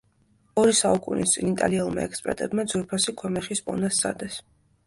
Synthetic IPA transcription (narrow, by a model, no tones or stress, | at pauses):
ɔɾisaukʼunḭst̪sʼinit̪ʼa̰liɛlˠma̰ɛkspʼɛ̰ɾt̪ʼɛbmad̪zwɛɾpʰasikʰwɛmɛχispʼɔ̰nast̪sʰʼa̰d̪ɛs